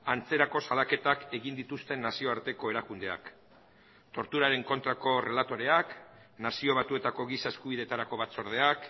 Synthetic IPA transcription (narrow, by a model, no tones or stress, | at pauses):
ant͡se̞ɾako̞salake̞t̪ake̞ɣind̪it̪ust̪e̞nːasio̞aɾt̪e̞ko̞e̞ɾakund̪e̞a̰k | t̪o̞ɾt̪uɾaɾe̞ŋko̞nt̪ɾako̞re̞lat̪o̞ɾe̞ak | nasio̞β̞at̪ue̞t̪ako̞ɣisae̞skuβ̞iðe̞t̪aɾako̞βat͡so̞ɾð̞e̞ak